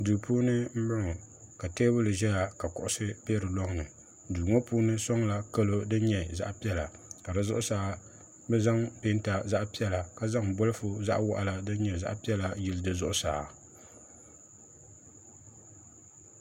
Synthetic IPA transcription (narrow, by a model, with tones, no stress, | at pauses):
duː˨puː˦nɨ˦m̩˦bʊ˦ŋɔ˨ | ka˨teː˦bʊ˦lɨ˨ʒɛ˦ja˨ka˨kʊ˨ʔʊ˦sɨ˦peː˦ɾɨ˨lɔ˦ŋ˦nɨ˨ | duː˨ŋo˦puː˦nɨ˦sɔ˦ŋla˨ka˦lo˦dɨ˦ɲɛ˨za̰˦ʔpi˦ɛ˦la˨ka˨dɨ˨zʊ̰˦ʔʊ˦saː˨˦ | bɛ˦za˦ŋpe˦n˦ta˨za˦ʔpi˦ɛ˦la˨ka˦za˦ŋ˨bʊ˦lɨ˦fʊ˨za̰˦ʔwa̰˦ʔa˨la˨dɨ˦ɲɛ˨za̰˦ʔpi˦ɛ˦la˨ji˦˨ldɨ˦zʊ˦ʔʊ˦saː˨